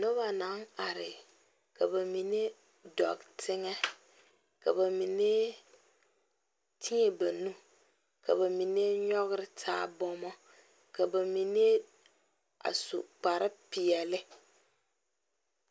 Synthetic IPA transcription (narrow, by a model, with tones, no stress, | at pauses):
no˦βa˨na˨˦ŋa˨ɾɪ˨ | ka˨ba˨mi˨ne˦ | dɔ̰˨ɡtʰɪ˦ŋɛ˦ | ka˨ba˨mi˨ne˦ | tʰi˦e˨ba˨nũ˦ | ka˨ba˨mi˨n˦e˦ɲɔ˦ɣɪ˦ɾɪ˦tʰa̰ː˦bɔ˦mɔ˦ | ka˨ba˨mi˨n˦e˦ | a̰˨sʊ̰˨k͡pa˨ɾɪ˦pɪ˨ɛ˨lɪ˦